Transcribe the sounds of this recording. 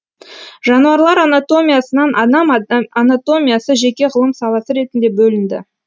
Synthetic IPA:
ʒɑnuɑɾlˠɑɾɑnat̪o̞mʲijasənɑnʔɑd̪ɑmɑnat̪o̞mʲijasəʒe̞kʲe̞ʁəlˠəmsɑlˠɑsəɾe̞t̪ɪnd̪e̞bɵlɪnd̪ɪ̰

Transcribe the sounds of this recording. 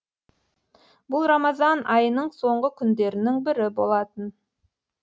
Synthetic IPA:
bʊlˠɾɑmɑzɑnʔɑjənəɴso̞ɴʁəkʲʰʏnd̪e̞ɾɪnɪŋbɪɾɪbo̞lˠɑt̪ən

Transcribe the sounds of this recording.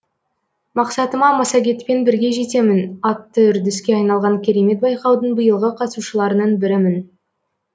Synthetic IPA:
mɑqsɑt̪əmɑmɑsɑɡʲe̞t̪pe̞nbɪɾɡʲe̞ʒe̞t̪e̞mɪnɑt̪ːəʏɾd̪ɪskʲe̞ɑjnɑlˠʁɑŋkʲʰe̞ɾe̞me̞t̪̚bɑjqɑwd̪əɴbəjəlˠʁəqʰɑt̪suʃəlˠɑɾənɑɴbɪɾɪmɪn

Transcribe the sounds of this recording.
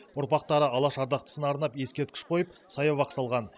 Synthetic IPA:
ʊɾpɑq̚t̪ɑɾəɑlˠɑʃɑɾd̪ɑq̚t̪ə̥sənɑɾnɑpje̞skʲe̞ɾt̪kʲɪ̥ʃqʰo̞jəp̚sɑjɑβɑqsɑlˠʁɑn

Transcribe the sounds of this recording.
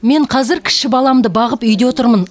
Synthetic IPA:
me̞ɴqʰɑzɪɾkʲʰɪ̥ʃɪbɑlˠɑmd̪əbɑʁəpʏjd̪ewot̪əɾmən

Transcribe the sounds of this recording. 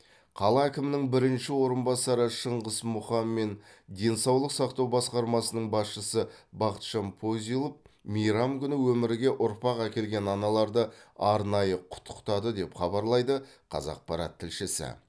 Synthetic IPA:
qʰɑlˠɑækʲɪmɪnɪŋbɪɾɪnʃɪwo̞ɾənbɑsɑɾəʃəɴʁəzmʊχɑmːe̞n | d̪e̞nsɑwlˠəqsɑqt̪ɑwbɑsqɑɾmɑsənəɴbɑsʃəsəbɑqət̪ʃɑnpʰo̞zijlˠəp̚ | mijɾɑmkʲʰʏnɪwɵmɪɾɪɡʲe̞ʔʊɾpɑqækʲe̞lɡʲe̞nɑnɑlˠɑɾd̪əɑɾnɑjəqʰʊ̥t̪ʰːə̥qt̪ɑd̪əd̪e̞pχɑbɑɾlˠɑjd̪əqʰɑ̰zɑ̰q̚pɑɾɑ̰t̪ʰːɪlʃɪsɪ̰

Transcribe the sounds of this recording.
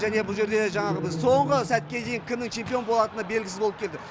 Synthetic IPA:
ʒæne̞bʊlˠʒe̞ɾd̪e̞ʒɑɴɑʁəbɪzso̞ɴʁəsæt̪̚kʲe̞d̪e̞jɪŋkʲʰɪmnɪŋt͡ʃʰe̞mpijo̞nbo̞lˠɑt̪ənɑbe̞lɡʲɪsɪzbo̞lˠəp̚kʰʲe̞ld̪ɪ

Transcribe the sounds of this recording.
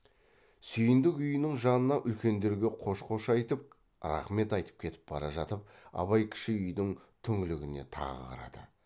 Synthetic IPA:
sʏjɪnd̪ɪkʏjɪnɪŋʒɑnənɑʔʏlkʲe̞nd̪e̞ɾɡʲe̞qʰo̞ʃqʰo̞ʃɑjt̪əp̚ | ɾɑ̰χme̞t̪ɑjt̪ə̥p̚kʲʰe̞t̪ɪ̥p̚bɑɾɑʒɑt̪əp̚ɑ̰βɑjkʲʰɪ̥ʃɪʏjd̪ɪŋt̪ʰʏŋɪlɪɡʲɪne̞̰t̪ʰɑ̰ʁəqʰɑ̰ɾɑ̰d̪̥ə̰

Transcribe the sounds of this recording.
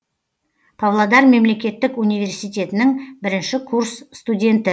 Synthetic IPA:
pʰavlˠad̪ɑɾme̞mle̞kʲe̞t̪ːɪkunijvʲe̞ɾsijt̪ʲe̞t̪ɪnɪŋbɪɾɪnʃɪkʰuɾsːt̪udʲe̞nt̪ɪ

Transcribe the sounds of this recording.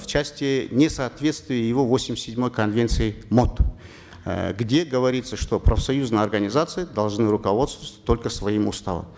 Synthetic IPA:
ft͡ɕæsʲtʲɪnʲɪsɐːt̪vʲe̞t̪st̪vʲɪjəjɪvo̞vosʲɪmʲɪsʲːɪdʲmo̞jkɐnvʲent̪sɨjɪmo̞t̪ | ɡdʲe̞ɡəvɐɾʲit̪səʂt̪o̞pɾəfsɐjuznəjəɐrɡənʲɪzat̪sɨjɪd̪ɐlˠʐnɨɾʊkɐvo̞t̪st̪vətʲt̪ːo̞lʲkəsvɐimʊst̪a̰və̰m

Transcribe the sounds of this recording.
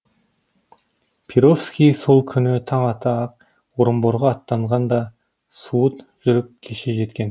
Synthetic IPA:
pʲʰiɾo̞fskʲijso̞lˠkʲʰʏnɪt̪ʰɑɴɑt̪ɑq̚ | woɾəmbo̞ɾʁɑːt̪ːɑɴʁɑnd̪ɑ | suət̪ | ʒ̥ʏɾɪp̚kʲʰe̞ʃeʒe̞t̪kʲe̞n

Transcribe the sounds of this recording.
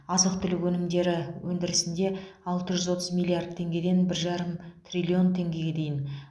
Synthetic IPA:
ɑzəq̚t̪ʰʏlɪkwɵnɪmd̪e̞ɾɪwɵnd̪ɪɾɪsɪnd̪e̞ɑlˠt̪əʒʏzwo̞t̪əzmʲilʲˠːiard̪̚t̪ʰːe̞ŋɡʲe̞d̪e̞nbɪɾʒɑɾəmt̪rʲilʲio̞nt̪ʰe̞ŋɡʲe̞ɡʲe̞d̪e̞jɪn

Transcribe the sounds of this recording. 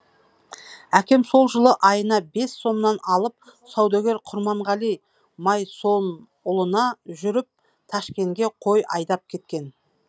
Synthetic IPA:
ækʲe̞mso̞lˠʒəlˠəʔɑjənɑbe̞sːo̞mnɑnɑlˠəp̚sɑwd̪ɑɡʲe̞ɾqʰʊɾmɑɴʁɑlˠij | mɑjson | ʊlˠənɑʒʏɾɪp̚ | t̪ʰɑʃkʲe̞ŋɡʲe̞qʰo̞jʔɑjd̪ɑp̚kʲʰe̞t̪̚kʲe̞n

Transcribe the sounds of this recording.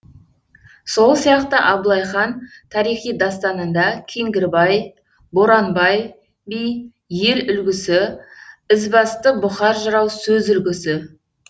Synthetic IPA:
so̞lˠsijɑqt̪əʔɑblˠɑjχɑnt̪ʰɑɾijχijd̪ɑst̪ɑnənd̪ɑkʲʰeŋɡʲɪɾbɑj | boɾɑnbɑj | bij | je̞ɾʏlɡʲɪsɪ | ɪzbɑst̪əbʊχɑɾʒəɾɑwsɵzʏlɡʲɪsɪ

